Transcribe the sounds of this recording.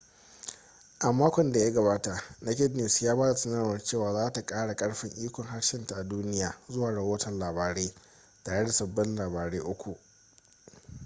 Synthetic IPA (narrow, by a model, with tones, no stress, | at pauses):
ʔa˨mːaː˦kʷɔ˨nda˨ja˦ɡɐ˨baː˦ta˨ʔna˦kʲɪ˦dnɪ˨sjaː˦baː˦da˨sɐ˦na˦˨wɐ˨rt͡ʃeː˦˨waː˨zaː˦ta˨kʼaː˦ɽa˨kʼɐ˦ɽɸɪ˦˨ŋʔiː˦kʷɔ˨ŋɦa˦ɽʃɪ˦nta˨ʔa˨duː˦nɪ˦jaː˨zʊ˦waː˨ɽɐ˨woː˦tɐ˨nlaː˨baː˨ɽeː˦ | taː˨ɽe˦da˨sɐ˨bːɐ˦nlaː˨baː˨ɽeː˦ʔʊ˦kʷu˨ʔ